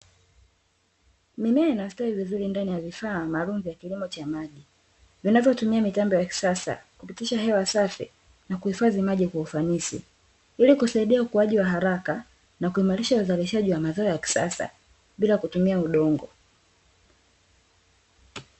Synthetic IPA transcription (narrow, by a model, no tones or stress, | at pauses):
mimɛainastahivizuɾindanijavifaːmaːlum̩vjakilimɔt͡ʃamaʄi | vinavjɔtumiamitambɔjaki̥sasa̰kupitiʃaɦɛwasafḭ | nakuhifazimaʄikwaufanisḭ | ilikusaiɗiaukuwaʄiwaɦaɾaka | nakuimaɾiʃauzaliʃaʄiwamazɔɔjaki̥sa̰sa̰ | ɓilakutumiauɗɔŋɡɔ